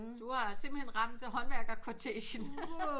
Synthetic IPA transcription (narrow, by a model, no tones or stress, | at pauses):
d̥uhɑ̈seimb̥l̩henʁɑ̈m̰d̥ɦɒ̽nʋæɐɡ̥ɐkʰot͡sʰḛːɕən